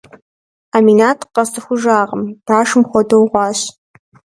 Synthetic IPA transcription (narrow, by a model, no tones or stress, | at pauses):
aminaːtʰqɐstʰɨxʷʊʒaːʁəmb̥aːʂɨmxʷɔdowʁʷɑːɕ